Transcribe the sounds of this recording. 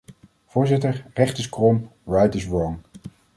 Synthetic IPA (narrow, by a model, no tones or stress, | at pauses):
v̥ʊːɹzɪtəɹrɛχtəskrɔmɹajtəsɹɔŋ